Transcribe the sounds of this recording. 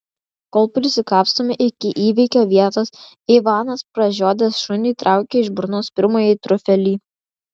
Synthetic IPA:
koːlˠpɾʲɪsʲɪkɑːpst̪oːmʲɪʔɪkʲɪʔiːʋʲɛɪkʲoːʋʲiɛt̪ɐs | ɪʋɑːnɐspɾɐʒʲoːd̪ʲɛsʃʊnʲiːt̪ɾʔɑˑʊkʲeɪʒbɾnoːspʲɪɾmoːjɛt̪ɾʊfʲɛlʲiː

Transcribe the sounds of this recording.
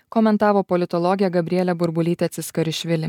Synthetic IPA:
kɔːmʲɛnt̪ɑːʋoːpɔlʲɪt̪ɔlˠɔɡʲɪjɛɡɐbʲɾʲɛlʲɛbʊɾbʊlʲiːt̪ʲɛt̪sʲɪskɐɾʲɪʃʲʋʲɪlʲɪ

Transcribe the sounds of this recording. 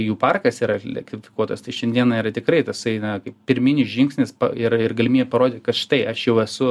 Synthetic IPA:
juːpɐrkɐsiːɾɐlʲɛ̰kt̪ʲɪfʲɪ̥kuɔt̪ɐst̪ɐɪʃʲɛnʲd̪ʲiɛnɐiːɾɐt̪ʲɪkrɐɪt̪ɐsɐɪnɐkɐɪppʲɪɾʲmʲɪnʲɪsʒʲɪŋksʲnʲɪspɐ̰ɪrɪrɡɐlʲɪmʲiːbʲɛpɐɾoːd̪ʲɪt̪ʲkɐt̪ʃʲɪ̥t̪ɐɪʔɐʃjɛʊɛsʊ

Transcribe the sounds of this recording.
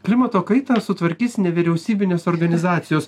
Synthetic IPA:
klʲɪmɐt̪oːkɐɪt̪ɑːsʊt̪ʋɐɾʲkʲiːsnʲɛʋʲiɾʲɛʊsʲiːbʲɪnʲeːsoːɾɡɐnʲɪzɑːt̪sʲɪjoːs

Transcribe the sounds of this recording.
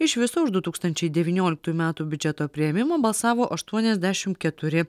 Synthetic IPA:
ɪʃʋʲɪsoʊʒd̪ʊt̪uːkst̪ɐnʲt͡ʃʲɛɪd̪ʲɛʋʲiːnʲoːlʲɪk̚t̪uːjumʲæːt̪uːbʲʊd͡ʒʲɛt̪oːpʲɾʲɪjɛmʲɪmoːbɐlˠsɑːʋoːʔɐʃt̪uɔnʲɛzʲd̪ʲæʃʲɪmt̪kʲɛt̪ʊɾʲɪ

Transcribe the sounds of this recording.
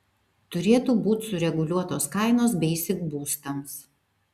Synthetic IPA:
t̪ʊɾʲeːt̪uːbuːt̪ʲsʊɾʲɛɡʊlʲuɔt̪oːskɑˑɪnoːsbʲɛɪsʲɪɡbuːst̪ɐms

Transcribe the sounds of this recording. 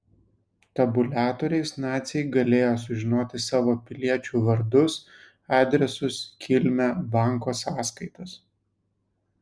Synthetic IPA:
t̪ɐbʊlʲæːt̪oːɾʲɛɪsnɑːt̪sʲɛɪɡɐlʲeːjoːs̬ʊʒʲɪnoːt̪ʲɪsɑːʋoːpʲɪlʲiɛt͡ʃʲuːʋɐɾd̪ʊs | ɑːd̪ʲɾʲɛsʊskʲʰɪlʲmʲæbɑˑŋkoːsɑːskɐɪt̪ɐs

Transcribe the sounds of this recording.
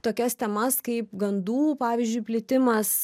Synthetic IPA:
t̪oːkʲɛst̪ʲɛmɐskɐɪpɡɐnd̪uːpɑːʋʲɪzʲd͡ʒʲʊɪpʲlʲɪt̪ʲɪmɐs

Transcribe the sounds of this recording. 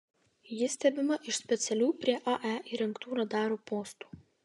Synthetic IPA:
jɪsʲt̪ʲɛbʲɪmɐʔɪʃsʲpʲɛt̪sʲɛlʲuːpʲɾʲiɛʔɐʔæʔiɾʲɛŋkt̪uːɾɐd̪ɑːɾoːpoːst̪u̥ː

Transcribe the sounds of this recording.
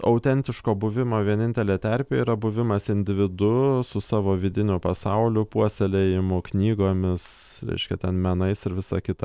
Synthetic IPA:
ɐʊt̪ʲɛnʲt̪ʲɪʃkoːbʊʋʲɪmoːʋʲiɛnʲɪnʲt̪ʲɛlʲeːt̪ʲæɾʲpʲeːiːɾɐbʊʋʲɪmɐsɪnʲd̪ʲɪʋʲɪd̪ʊsʊsɑːʋoːʋʲɪd̪ʲɪnʲʊpɐsɐʊlʲʊpuɔsʲɛlʲɛjɪmʊknʲiːɡoːmʲɪsɾʲɛ̰ɪʃʲkʲɛt̪ʲɛnmʲɛnɐɪsɪɾʋʲɪsɑkʲɪt̪ɐ

